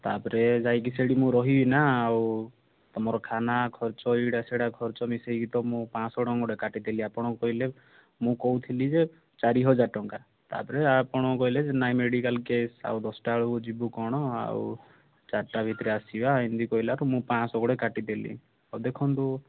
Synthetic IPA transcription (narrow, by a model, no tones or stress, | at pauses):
t̪apɔɾed͡ʒajkiseɽimũɾɔɦibinaːw | t̪ɔmɔɾɔkʰanakʰɔɾt͡ʃɔiɽaseɽakʰɔɾt͡ʃɔmisejkit̪ɔmũpãsɔɽɔŋɡɔɽekaʈid̪eliapɔɽ̃ɔkɔɦile | mũkɔɦut̪ʰilid͡ʒe | t͡ʃaɾiɦɔd͡ʒaʈɔŋka | t̪a̰pɔɾeapɔɽ̃ɔkɔɦiled͡ʒenajmeɽikalkesa̰wd̪ɔsɔ̥ʈaɭud͡ʒibukɔɽ̃ɔa̰w | t͡ʃaɾʈabʱit̪ɾeasibaɦind̪ikɔɦilaɾumũpãsɔɡɔɽekaʈid̪elḭ | awd̪ekʰɔnt̪u